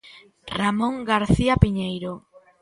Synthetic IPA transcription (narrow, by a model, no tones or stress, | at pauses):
ramõŋɡaɾθiapiɲejɾo